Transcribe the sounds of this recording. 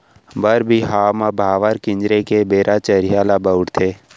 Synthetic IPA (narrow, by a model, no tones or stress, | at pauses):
bəɾbʱiɦaːmabʱaːʋaɾkɪ̃ɲd͡ʒɾekebeːɾʔat͡ʃəɾɪjaːlabəʊɽt̪ʰeː